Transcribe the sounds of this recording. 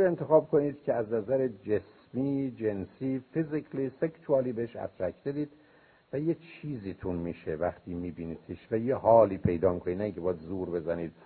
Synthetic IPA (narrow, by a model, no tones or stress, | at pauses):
ent̪ʰexɒːbkʰoniːd̪̥cʰeæznæzæɾed͡ʒes | miːd͡ʒe̞nsiːfiziklisekt̪ʰuɒːliːbeeʃæ̰t̪ɾækʰd̪ed̪iːd̪ | væjet͡ʃʰiːzit̪ʰunmiːʃevæχt̪ʰiːmiːbiːnit̪ʰiʃvæjehɒːliːpʰe̞jd̪ɒːmikʰonid̪næiŋcʰebɒːjd̪zuːɾbe̞zæniːd̪̥̚